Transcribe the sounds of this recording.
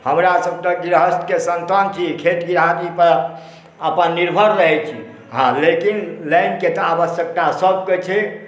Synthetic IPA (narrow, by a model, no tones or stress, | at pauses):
həmɾasəb̚t̪əɡiɾɦəst̪kesənt̪ənt͡ʃʰikʰet̪ɡiɾad̪ipəɾ | əpənːiɾbʱəɾɾəɦɛt͡ʃʰḭ | ɦãlekinlajnket̪ɔabəsjək̚t̪asəb̚ket͡ʃʰɛ